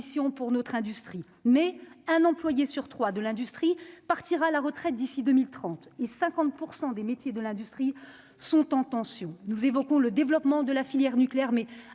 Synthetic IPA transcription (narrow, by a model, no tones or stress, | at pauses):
sjɔ̃puʁnɔt̪χɛ̃d̪yst̪χi | mɛɛ̃nɑ̃plwajesyʁt̪χwad̪əlɛ̃d̪yst̪χipaʁt̪iʁaːlaʁət̪χɛt̪̚d̪isid̪ømilt̪χɑ̃t̪esɛ̃kɑ̃t̪̚puʁsɑ̃d̪emet̪jed̪əlɛ̃d̪yst̪χi | sɔ̃t̪ɑ̃t̪ɑ̃sjɔ̃nuzevɔkɔ̃ləd̪evlɔpmɑ̃d̪əlafiljɛʁnykleɛʁmɛ